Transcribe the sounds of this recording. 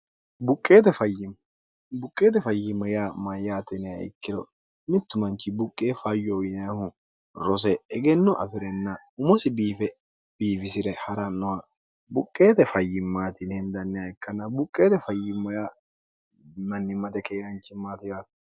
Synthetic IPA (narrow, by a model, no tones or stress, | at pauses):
bʊkʼːe̞ːt̪ɛfɐjːɪm | bʊkʼːe̞ːt̪̬ɛfɐjːɪmɐjaːmɐjaːt̪ɛnɛjaɪ̰kːɪɾɔ | mɪt̪ːʊmɐnt͡ʃːɪbʊkʼːeːfɐjːɔɪnɐhʊ | ɾɔs̬ɛɛɡɛnːɔʔɐ̰fɪɾɛnːɐ | ʊmɔsɪbiːfɛ | b̥iːfɪsɪɾɛhɐɾɐnːɔwɐ | bʊkʼːe̞ːt̪ɛfɐjːɪmːaːt̪ɪnɛnd̪ɐnːɛjaɪkːɐnɐbʊkʼːeːt̪ɛfɐjːɪmːɐjaː | mɐnːɪmɐt̪ɛkeːɡɐnt͡ʃːɪmaːt̪ɪjaːt̪